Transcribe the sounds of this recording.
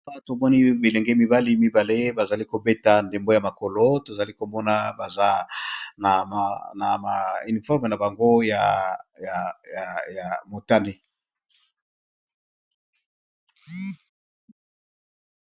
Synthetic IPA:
a˦to˨mɔ˦ni˦be˨lɛ˨ŋɡɛ˦mi˦ba˦li˦mi˦ba˨le˦ba˨za˨li˦ko˨be˦ta˨nde˨mbo˦ja˨ma˨ko˨lo˦to˨za˨li˦ko˨mɔ˦na˦ba˨za˦na˨na˨ma˨i˨ni˨fɔ˦ʁme˨na˨ba˨ŋɡo˦ja̰˨ja˨ja˨ja˨mo˨ta˦ne˨

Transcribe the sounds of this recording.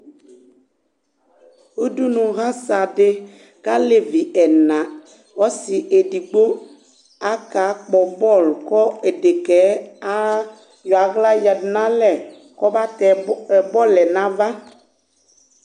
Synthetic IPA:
u˦du˦nũ˨ɣa˦sa˨de˦ | ka˦le˨vi˨ʔɛ˨nã˨ | wɔ˦si˨ʔe˨di˨ɡ͡bo˦ | a˦ka˨˦k͡pɔ˨bɔ˦˨lkɔ˦e˨de˨kɛ˨˦a˦ | jɔ˨a˨ɣla˦ja˨dnã˦lɛ˨ | kɔ˦ba˦t̪ɛ˨bɔ˦lɛ˨nã˦va˦

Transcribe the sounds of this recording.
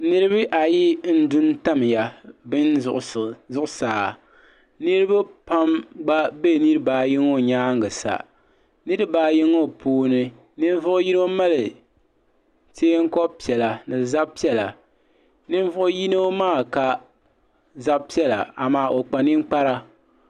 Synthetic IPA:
nɨ˦ɾɨ˦βɨ˦ʔa˨ji˦n̩˦dʊ˦nta˦m˨ja˨bɨ˦n˦ʔzʊ˦ʔʊ˦saː˨ | nɨ˦ɾɨ˦ba˦pa˦mɡ͡ba˦be˦˨nɨ˦ɾɨ˦baː˨ji˦ŋo˦˨ɲaː˦ŋ˨ɡɨ˨sa̰˨ | nɨ˦ɾɨ˦baː˦ji˦ŋo˦pʰuː˦nɨ˦ | nɨ˦ɱ˦vʊ˦ʔʊ˦ji˦n˦o˦ma˦lɨ˨ | teː˦ŋ̩˦kɔ˦bpi˨ɛ˨la˨nɨ˨za˦b̚pi˦ɛ˦la˨ | nɨ˦ɱ˦vʊ˦ʔʊ˦ji˦no˦maː˦˨ka˨ | za˦bpi˦ɛ˦la̰˨a˨maː˦ʔo˨k͡pa˨ni˦m˦k͡pa˦ɾa˦

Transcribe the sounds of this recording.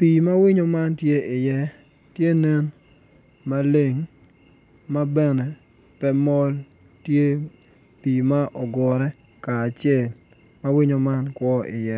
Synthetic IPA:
pi˨ma˦wɪ˦ɲo˦ma˦ntje˦ɪ˨jɛ˦ | tje˦nɛ˦n | ma˦le˦ŋ | ma˦bɛ˦nɛ˨ | pɛ˦mɔ˦l | tje˦ | pi˨ma˦ʔɔ˨ɡɔ˨ɾɛ˦ | kaː˨t͡ʃɪɛ˦˨l | ma˦wɪ˦ɲo˨ma˦nkwɔ˦ɪ̰˨jɛ˦

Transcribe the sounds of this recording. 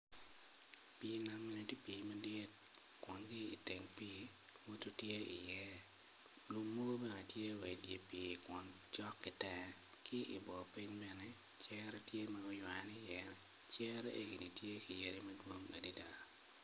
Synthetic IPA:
piː˨na˨mːi˦ni˨ti˦pi˨mɐ˦dɪ˦t | kwɔ˨nɡi˦ḭ˨te˨ŋpi˦ | wo˦tu˦tje˦ḭ˨jɛ˦ | lu˨mːo˦o˦bɛ˦nɛ˨tje˦we˨dje˨piː˨kʷɔ˨n | t͡ʃɔ˦kːɪ˨tɛ˨ | kʰɪ˦ʔḭ˨bɔ˨pi˦ɲbɛ˦nɛ˨ | t͡ʃɛ˦ɾɛ˦tje˦maɔ˦jwa˨ni˦jɛ˨ | t͡ʃɛ˦ɾɛ˦ʔḛ˦ɡi˨ni˨tje˦ki˨je˦ɾi˦mɐ˦dwo˦ŋɐ̰˨di˦da˨ɾ

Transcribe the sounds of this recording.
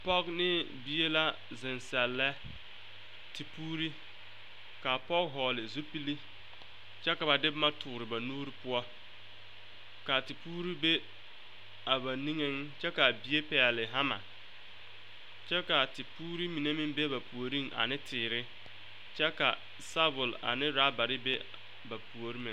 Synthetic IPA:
pɔ˦knɪ˦ | bi˦e˦la˦ | zɪ˨nsɛ˨lːɛ˦ | ti˨puː˦ɾi˦ | ka˨pɔ˦kɦɔː˨lɪ˨zu˦pi˦li˦ | t͡ʃɛ˦ka˨ba˨dɪ˦bma˦tʊː˨ɾɪ˨ba˨nuː˦ɾi˦pʊ˦ɔ˦ | ka˨ti˨puː˦ɾi˦be˦ | a˨ba˨ni˦ŋe˦ŋt͡ʃɛ˦ka˨bi˨e˦pɛ˨lɪ˨ɦa˦ma̰˨ | t͡ʃɛ˦ka˨ti˨puː˦ɾi˦mi˨ne˦mɪ˦ŋbe˦ba˨pu˨o˨ɾi˦˨ŋʔa̰˨nɪ˦tʰɪː˨ɾɪ˦ | t͡ʃɛ˦ka̰˨ | sa˦bʊ˨la̰˨nɪ˦ɾa˦ba˨ɾɪ˦be˦ | ba˨pu˨o˨ɾi˦mɪ̃˨

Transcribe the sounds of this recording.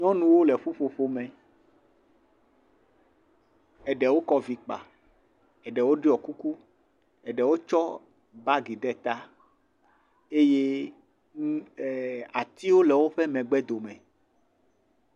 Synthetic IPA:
ɲɔ̃˦nũ˨wo˦lɛ˨ɸo˦ɸo˨ɸo˦mɛ̃˨ | ɛ˨ɖɛ˨wo˦kɔ˦vi˨k͡pa̰˨ | ɛ˨ɖɛ˨wo˦ɖi˦ɔ˨ku˦ku˦ | ɛ˨ɖɛ˨wo˦t͡ʃɔ˦ | ba˦ɡi˨ɖɛ˦t̪a˦ | e˦je˦˨ | a˨t̪i˦wo˦lɛ˨wo˦ɸɛ˦mɛ̃˨ɡ͡bɛ˦d̪o˨mɛ̃˨

